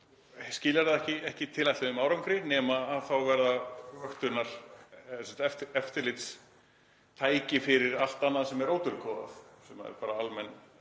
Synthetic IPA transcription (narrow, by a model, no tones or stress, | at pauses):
scɪːlaɾ̥ðaðɛhcɪɛhcɪt̪ʰɪlat̪ɪʏmaːwɾawŋkɾɪnɛːmaːðθawvɛɾðavœxt̪ʏnːaɾ̥sɛ̥t̪ɛft̪ɛft̪ɪɾlɪt̪s | t̪ʰaːjcɪfɪɾɪɾal̥t̪anːaðasɛmɛɾoːwt̪ʏɾkʰɔːva̰θsɛmaɛ̰ɾpaːɾaalmɛnː